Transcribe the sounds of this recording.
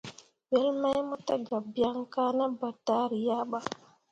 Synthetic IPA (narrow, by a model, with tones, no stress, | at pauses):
we˦lma˦jmo˦ta˦ɡa˨bja˦ŋka˦na˦ba˨ta˦ɾi˨ja˦ɓa˦